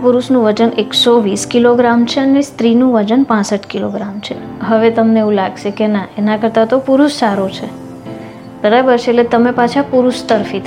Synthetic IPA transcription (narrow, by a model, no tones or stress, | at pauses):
puɾuʃnũʋəd͡ʒəneksoʋiskiloɡɾamt͡ʃʰeənest̪ɾinũʋəd͡ʒənpãsəʈkiloɡɾamt͡ʃʰe | ɦəʋet̪əmneeũlaɡʃekenaenakəɾt̪at̪opuɾuʃsaɾot͡ʃʰe | b̥əɾabəɾt͡ʃʰeʈlet̪əmepat͡ʃʰapuɾuʃt̪əɾfit̪ʰ